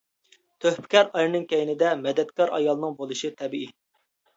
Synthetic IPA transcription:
t̪ʰøhpʰɪ̥kʲɑɾɑjɾɨnɨŋkʲɛjinɪd̪ɛmɛd̪ɛt̪kʲɑɾɑ̰jɑlˠnɨŋbolˠɨʃit̪ʰɛbii

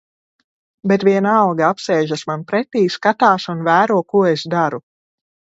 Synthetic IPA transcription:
bet̪vʲiɛnɑlɡaapsɛːʒasmanpɾɛt̪iːskat̪aːsunvæːɾuɔkuɔesd̪aɾu

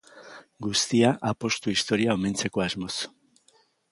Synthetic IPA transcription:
ɡust̪iaʔapo̞st̪uist̪o̞ɾiao̞me̞nt͡se̞ko̞azmo̞s

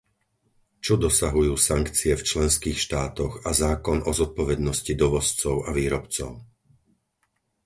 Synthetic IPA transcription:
t͡ʃɔd̪ɔsaɦujuːsaŋkt͡siɛft͡ʃlɛnskiːxʃt̪aːt̪ɔɣazaːkɔnʔɔzɔt̪̚pɔʋɛd̪nɔscid̪ɔʋɔst͡sɔʊaʋiːɾɔpt͡sɔ̰ʊ

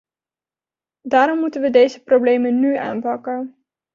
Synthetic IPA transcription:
daːɾɔmːutənʋədejzəprowblejmənnya̰ːnpɑkən

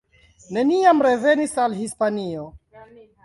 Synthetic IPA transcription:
ne̞niamɾe̞ve̞nisalɦispanio

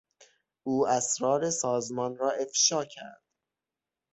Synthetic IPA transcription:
ʔuːæsɾɒːɾe̞sɒːzmɒːnɾɒːʔe̞fʃɒːcʰæ̰ɾd̪̥

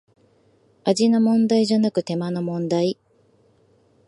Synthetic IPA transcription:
aʑinomõ̞nd̪aiʑanakɯ̟t̪e̞mano̞mõ̞nd̪ai

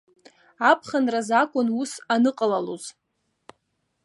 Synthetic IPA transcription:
apʰχanrazakʷʼʊnusanɨqʼalalo̰z̥

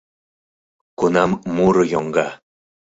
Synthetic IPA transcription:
kunɑmmuɾɤjoŋɡɑ

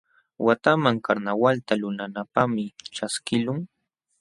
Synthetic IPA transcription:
wat̪amaŋkaɾnawalt̪alʊnanapamɪʈ͡ʂaskɪlʊŋ

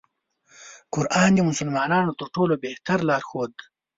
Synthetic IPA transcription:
qʊɾʔɑːnd̪imʊsəlmɑːnɑːnot̪əɾʈoːlobeht̪aɾlɑːɾxoːd̪

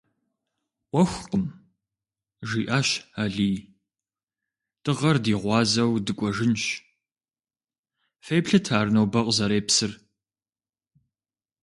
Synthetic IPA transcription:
ʔʷɔxʷqəm | ʒiːʔaːɕaːɮiː | tɨʁɐrdiːʁʷɑːzɐwdɨkʷʼɔʒɪnɕ | fejpɬɨtʰaːɾɨnɐwbɐqʼzɐɾeːpsɨr

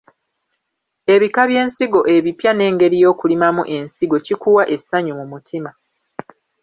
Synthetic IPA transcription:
e̞βikaβje̞ːnsiɡo̞ʔe̞βipjane̞ːŋɡe̞ɾijo̞ːkulimamṵʔe̞nsiɡo̞cikuwaʔe̞saɲumumutʰima

